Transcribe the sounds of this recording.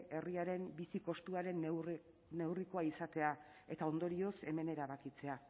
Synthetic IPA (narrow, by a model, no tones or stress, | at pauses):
e̞riaɾe̞mbisiko̞st̪uaɾe̞nː | e̞wriko̞aisat̪e̞ae̞t̪ao̞nd̪o̞ɾio̞se̞me̞ne̞ɾaβakit͡se̞a